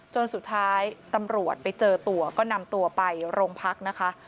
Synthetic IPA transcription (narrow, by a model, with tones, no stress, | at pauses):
t͡ɕo˧nsu˨˩t̪ʰːaː˦˥jt̪a˧mɾu˨˩ət̪̚pa˧jt͡ɕɤː˧t̪u˧ɐkɔː˥˩na˧mt̪u˧ɐpa˧jɾoː˧ŋpʰa˦˥k̚na˦˥kʰa˦˥ʔ